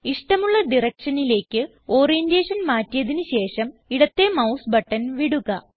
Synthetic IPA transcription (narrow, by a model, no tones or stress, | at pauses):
iʂʈɐmuɭːɐd̪irɐkʂɐnile̞ːkːɨ | o̞ːrijende̞ːʂɐnmaːtːijɐðinɨɕe̞ːʂɐmiɽɐt̪ːe̞mɐwsbɐʈːɐnʋiɽuɣɐ